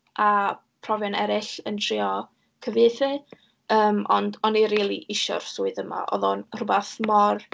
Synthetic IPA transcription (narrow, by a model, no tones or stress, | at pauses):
a | pʰrɔvjɔnɛɾɪɬəntʰr̥iɔ | kʰəveɨθɨ | əːmɔ̰ndɔniɾiːlˠḭʔɪʃɔ̰rsuːɨðəma̰ʔɔ̰ðɔnrʊbaθmɔr